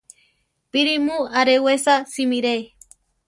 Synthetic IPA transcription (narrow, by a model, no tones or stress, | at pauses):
piɾimuaɾewesasimiɾe